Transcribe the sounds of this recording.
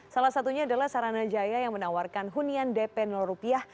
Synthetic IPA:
salasat̪uɲaːdalahsaɾanad͡ʒajajaŋmənawarkanɦuniandɛpɛnɔlrupiah

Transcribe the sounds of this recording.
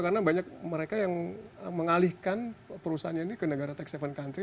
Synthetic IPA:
kaɾənabaɲak̚məɾekajaŋəməŋalihkanpəɾusaanɲainikənəɡaɾat̪ɛksefənkant̪ɾi

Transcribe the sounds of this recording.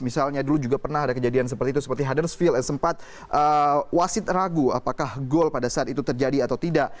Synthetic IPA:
misalɲadulud͡ʒuɡapərnaɦadakəd͡ʒadians̬əpərt̪iːt̪usə̥pərt̪iɦadərsfiljaŋsəmpat̪̚ | ʔəwasɪt̪raɡuapakahɡɔlpadasaat̪it̪ut̪ərd͡ʒadiat̪awt̪idaʔ

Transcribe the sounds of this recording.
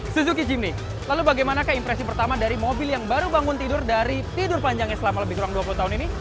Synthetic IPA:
susuk̬id͡ʒimnɪh | lalubaɡajmanakaimpɾɛsipərt̪amadaɾimobɪljaŋbaɾubaŋʊnt̪idʊrdaɾit̪idʊrpaɲd͡ʒaŋɲasəlamaləbɪhkuaŋduap̬ulut̪aɦʊnini

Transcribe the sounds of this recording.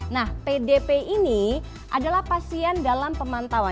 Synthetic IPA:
nahpedepeini | ʔadalahpasiandalampəmant̪awa

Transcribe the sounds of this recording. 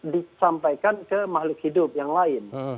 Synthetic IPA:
disampajkankəmahlʊk̚hidʊp̚jaŋlaɪn

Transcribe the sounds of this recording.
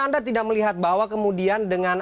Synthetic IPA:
andat̪idak̚məliɦat̪̚bawakəmudiandəŋan

